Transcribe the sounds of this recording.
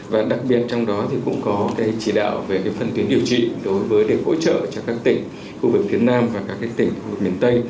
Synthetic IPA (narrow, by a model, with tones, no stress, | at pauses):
vaː˨˩ɗa˨˩k̚ɓi˨˩ət̚t͡ɕɔ˧wŋ͡mɗɔ˨˦t̪ʰi˨˩kʊ̰˧˥ŋ͡mkɔ˨˦ka˨˦t͡ɕi˧˩ɗa̰ː˧˨wve˨˩ka˨˦fə˧˩nt̪wi˨˦ənɗi˨˩əwt͡ɕḭ˧˨ɗo˨˦jvəː˨˦jɗe˨˩ho̰˧˥t͡ɕə̰ː˧˨t͡ɕɔ˧kaː˦˥k̚t̪ï˧˩ŋ̟ | xu˧vɨ˨˩k̚fi˨˦ənaː˧mvaː˨˩kaː˦˥k̚ːa˦˥k̚t̪ï˧˩ŋ̟xu˧vɨ˨˩k̚mi˨˩ənt̪ə˧j